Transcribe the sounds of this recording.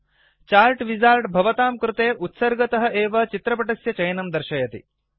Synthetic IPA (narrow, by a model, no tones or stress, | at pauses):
t͡ʃaːlʈʋid͡ʒaːɾʈbʱɐʋɐt̪aːmkɾut̪eːʔut̪sɐɾɡɐt̪ɐɦɐʔeːʋɐt͡ʃit̪ɾɐp̬ɐʈɐsjɐt͡ʃɐjɐnɐmd̪ɐɾʃɐjɐt̪ḭ